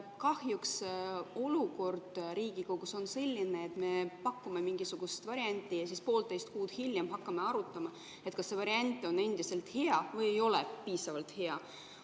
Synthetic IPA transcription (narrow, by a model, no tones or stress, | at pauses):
kɑhjukso̞luko̞rd̪̥riːɡ̥ikoɡ̥uso̞nse̞lʲːineːt̪me̞pɑkːume̞miŋɡ̥isuɡ̥ust̪vɑɾiɑnʲt̪ʲːˑijɑsispo̞ːlt̪e̞jst̪̚kuːd̪̥hilʲjemɦɑkːɑme̞ɑɾut̪ːˑɑmɑ | et̪̚kɑsːe̞vɑɾiɑnʲt̪ːˑo̞nːe̞nd̪̥ise̞lt̪he̞ɑvɤje̞jo̞lḛpiːsɑvɑlt̪ˑhe̞ɑ